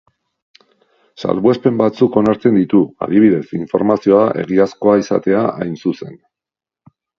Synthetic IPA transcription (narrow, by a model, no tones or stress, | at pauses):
sa̰lβwespe̞mbat͡suko̞naɾt͡se̞nd̪it̪ua̰ðiβ̞iðe̞siɱfo̞̰ɾmasio̞aʔe̞̰ɣiasko̞aisa̰t̪e̞aʔajnsuse̞n